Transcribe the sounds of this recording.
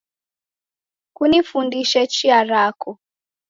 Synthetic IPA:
kunifundiʃɛt͡ʃiaɾakɔ

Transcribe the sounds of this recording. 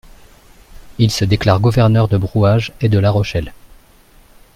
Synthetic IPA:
ilsəd̪eklaʁɡuvɛʁnœʁd̪əbʁuaʒed̪əlaʁɔʃɛl

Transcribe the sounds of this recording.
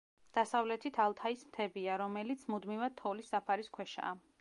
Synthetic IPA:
d̪̥asavlɛt̪ʰit̪ʰalˠt̪ʰaismt̪ʰɛbiaɾɔmɛlit̪sʰmud̪mivad̪̚t̪ʰɔlisːapʰaɾiskʰwɛʃa̰ː

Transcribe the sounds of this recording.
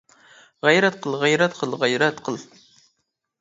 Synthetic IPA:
ʁæjɾɛt̪̚qʰəlˠʁæjɾɛt̪qʰəlˠʁæjɾɛt̪qʰəlˠ

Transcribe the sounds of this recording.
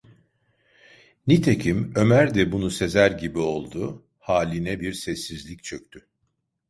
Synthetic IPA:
nit̪ʰecʰimø̞mæɾd̪ɛbunuse̞zæɾɟibio̞lˠd̪ʊ | haːlʲinɛbiɾsɛsːizlʲict͡ʃʰøk̚t̪ʰy

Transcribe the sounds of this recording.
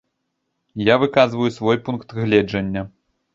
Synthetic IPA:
javɨkazvɐjusvɔjpunkt̪ɣlʲɛd͡ʐɐnʲːɐ

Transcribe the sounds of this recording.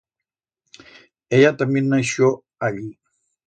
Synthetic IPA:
ejat̪aminaʃo | aʎi

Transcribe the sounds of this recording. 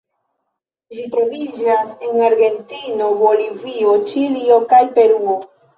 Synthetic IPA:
ʒitɾo̞vid͡ʒasenaɾɡe̞ntino̞bo̞livio̞t͡ʃilio̞kajpe̞ɾuo

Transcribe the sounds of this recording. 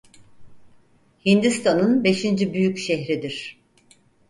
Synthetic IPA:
hind̪ist̪ʰanɯnbe̞ʃind͡ʒibyjycʃɛhɾid̪iɾ̥

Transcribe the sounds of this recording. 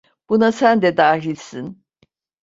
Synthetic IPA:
b̥unasænd̪ɛd̪aːɦilʲsin

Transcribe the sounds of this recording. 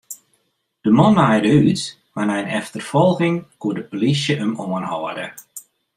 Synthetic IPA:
d̥əmɔnajdəyt | manajnɛftərfɔlˠɣɪŋkuədəpolisjəʔəmoənhɔədə

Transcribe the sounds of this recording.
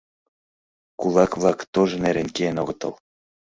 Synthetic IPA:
kulɑkβlɑkt̪oʒɤ̆neɾenkeenoɣɤ̆t̪ɤ̰̆l

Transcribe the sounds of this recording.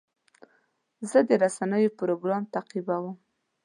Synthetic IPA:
zəd̪əɾasanəjopɾoɡɾɑmt̪aqibawəm

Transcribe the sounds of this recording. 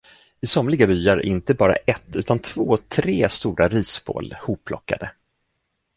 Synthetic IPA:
ɪsɔmlɪɡabyːaɾɪ̰nt̪əbɑːɾa̰ʔɛt̪ːʉ̟ːt̪ant̪ʰv̥oːt̪ʰɾeːst̪uːɾʔaɾiːsbo̰ːlhuːpʰːlɔkːa̰d̪ə

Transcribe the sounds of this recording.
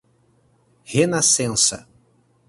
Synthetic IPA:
henasẽnsɐ̰

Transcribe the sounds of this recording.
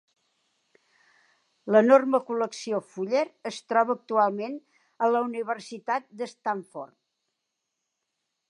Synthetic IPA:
lənorməkuləksiofuʎeɾəst̪ɾɔβəːk̚t̪ualˠmen | ələuniβərsit̪at̪̚d̪əst̪aɱfort̪̚

